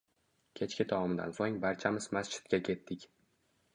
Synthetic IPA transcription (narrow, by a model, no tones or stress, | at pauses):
kʲʰe̞t͡ʃkʲɪd̪ʰavɒmɪd̪a̰nsoŋbaɾt͡ʃʰamɪzmast͡ʃʰɪ̥t̪̚kʲakʲʰe̞t̪ːɪkʲ